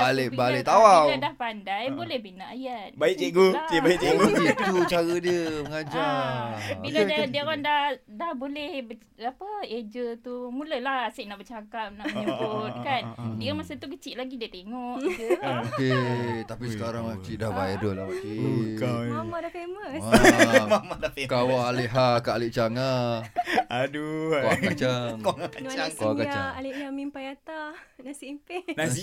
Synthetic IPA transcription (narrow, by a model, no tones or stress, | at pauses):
balebaleʔt̪awawadahpandajbolɛhbinaajat̪̚baiʔt͡ʃiʔɡut͡ʃiʔbaiʔt͡ʃiɡut͡ʃiʔt̪ut͡ʃaɾədiəməŋad͡ʒa | biladadiəɣandahdahbolɛhbə | apəed͡ʒət̪umuləlahasɪʔnaʔbət͡ʃakap̚naʔməɲəbot̪̚kandiamasət̪ukət͡ʃiʔlaɡidiət̪eŋɔʔd͡ʒəoket̪apisəkaɾaŋat͡ʃiʔdahbajadolaakekaamadafeməsamamadafemkawaaleʔɦakaaleʔt͡ʃaŋa | aduaat͡ʃammkaŋaaaŋkawakaaaalɪʔjamimpajat̪anasimpenai